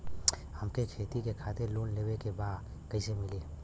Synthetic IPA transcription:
həmkekʰeːt̪ikekʰaːt̪eɾloːnleːwekebaːd̪ | kɐisemɪleː

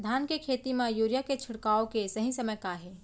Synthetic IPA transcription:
d̪ʱaːnkekʰeːt̪imãjuːɾjaket͡ʃʰʊɽkaːokesɐɦĩsɐməjkaːɦeː

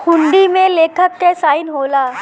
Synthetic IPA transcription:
kʰʊ̃ɳɖimẽleːkʰəkːesaːɪnɦoːlaː

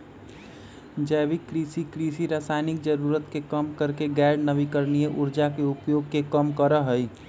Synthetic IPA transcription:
d͡ʒəbikːɾisikɾisiɾasaɪnik̚d͡ʒəɾuɾət̪kekəmkəɾkeɡɛɖnəbikəɾnijeʔuɾd͡ʒakeupjoɡ̚kekəmkəɾəɦəj

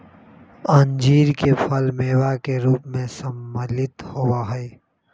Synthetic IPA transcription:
ɐnd͡ʒiːɾkepʰəlmeːwakeɾuːpmẽsəmːəlɪt̪howaɦɛe

